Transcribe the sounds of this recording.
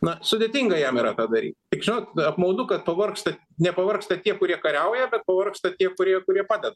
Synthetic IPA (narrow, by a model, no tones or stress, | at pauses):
nɐsʊd̪ʲeːt̪ʲiŋɡɐjɛmiːɾɐt̪ɑːd̪ɐɾʲḭːt̪t̪ʲɪkʒʲɪnoːt̪ɐpmɐʊd̪ʊkɐt̪pɐʋɐrkst̪ɐ | nʲɛpɐʋɐrkst̪ɐt̪ʲiɛkʊɾʲiɛkɐɾʲɛʊjɛbʲɛt̪̚pɐʋɐrkst̪ɐt̪ʲiɛkʊɾʲiɛkʊɾʲiɛpɑːd̪ʲɛd̪ɐ